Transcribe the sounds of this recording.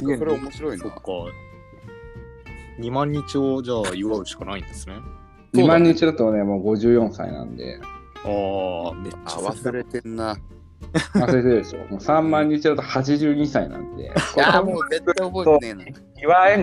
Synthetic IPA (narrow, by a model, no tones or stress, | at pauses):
oɾeomoɕiɾoinka | ɲ̟imãɲ̟ːit͡ɕiod͡ʑaːiβaɾɯ̟ɕi̥kanaĩnd̪̥esɨne | ɲ̟imãɲ̟ːit͡ɕid̪at̪o̞ne̞mo̞ːɡo̞ʑɨːjõ̞ɰ̃sa̰ḭnã̰nd̪e̞̰aː | βasɨɾet̪ena | βassɨɾet̪ed̪e̞ɕo̞̰moːsãmːãɲ̟ːit͡ɕid̪at̪o̞hat͡ɕiʑɨːɲ̟isainã̰nd̪e̞̰aoet̪ːaooso | iβae